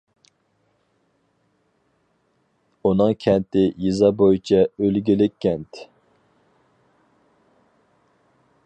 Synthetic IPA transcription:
unɨŋkʲʰɛnt̪ɪjizɑbojit͡ʃʰɛølɡʲilɪkʲʰːɛnt̪

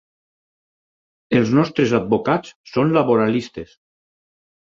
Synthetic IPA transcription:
elˠznɔst̪ɾezad̪̚bokat͡ssonlaβoɾalist̪es

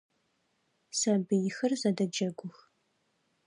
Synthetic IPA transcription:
sɐbɨjɪxɨrzɐdɐd͡ʒɐɡʷʊx

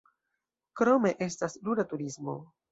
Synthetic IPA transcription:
kɾo̞me̞ʔe̞stasluɾatuɾismo̞̰

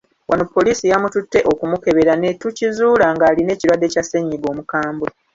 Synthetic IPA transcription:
wʔanopːo̞liːsijamututːe̞ʔo̞kumuke̞βe̞ɾane̞tucizuːlaŋɡaːline̞ːciɾwadːe̞ːcase̞ɲːiɡo̞ːmukaːmbe

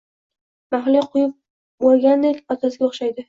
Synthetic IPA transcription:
baχlɪqʰʊjɪp̚ | bolˠɡʲand̪ekʲɒt̪ʰasɪɡʲaoχʃajd̪ɪ

